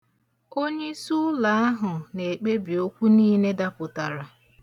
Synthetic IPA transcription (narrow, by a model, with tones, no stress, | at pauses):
o˦ɲe˦su˦la˨a˦ɦʊ˨ne˨k͡pe˦bi˨o˦kʷu˦niː˦ne˦da˦pʊ˨ta˨ɾa˨